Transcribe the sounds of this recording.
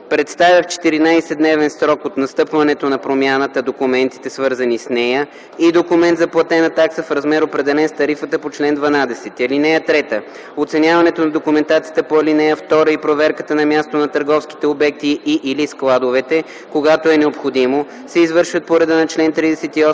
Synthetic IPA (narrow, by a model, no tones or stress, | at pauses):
pɾɛt̪st̪avʲjəft͡ʃɛ̥t̪iɾinajsɛd̪nɛvɛnsɾɔkot̪nɐst̪ɤpvɐnɛt̪onɐpɾomʲjanət̪əd̪okumɛnt̪i̥t̪ɛsvɤɾzɐnisnɛjə | id̪okumɛnt̪zɐplˠɐt̪ɛnɐt̪aksəfɾɐzmɛɾopɾɛd̪ɛlɛnst̪ɐɾifət̪əpot͡ʃlɛnd̪vɐnad̪ɛsɛt̪ɐlinɛjət̪ɾɛt̪ə | ot̪sɛnʲjavɐnɛt̪onɐd̪okumɛnt̪at̪siət̪əpoɐlinɛjəft̪ɔɾəipɾovɛɾkət̪ənɐmjast̪onɐt̪əɾɡɔfsk̟i̥t̪ɛobɛk̚t̪iːʔːlisklˠad̪ovɛt̪ɛ | koɡat̪oɛnɛopxod̪imo | sɛizvɤɾʃvət̪̚poɾɛd̪ənɐt͡ʃlɛnt̪ɾid̪ɛsɛt̪iɔ